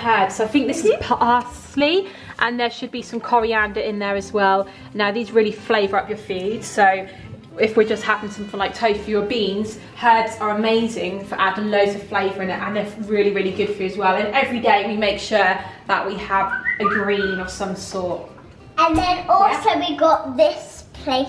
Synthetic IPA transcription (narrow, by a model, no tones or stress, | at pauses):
hɜːd̥zsoʊaɪθɪ̃ŋk̚ðɪsɪz̥pʰʔɑˑs | li | ʔə̃nðəʃəd̚bisʌ̃mkʰɒɹiãndəɪ̃nðəɹəzwɛlˠ | naʊðiːzɹɪːəlifleɪvəɹʌpjəfʉːdz̥soʊ | ɪfwɪd͡ʒʌsthavɪ̃nsʌ̃mθɪ̃ŋlaɪk̚tʰəʊfʉəbĩːnz̥ | hɜːdzəɹəmeɪzɪ̃ŋfəɹʔadə̃n̩ləʊzəv̥fleɪvəɹɪ̃ŋɪʔə̃nðəɹɪːəliɹɪːliɡʊd̥fəəzwɛlˠə̃nɛvɹideɪwimeɪkʃʊːðə̰ʔwiəvəɡɹĩːnə̥sʌ̃msɔˑt | ə̃nðə̃nɔˑlˠsoʊwiɡɒʔðɪspʰl̥eɪ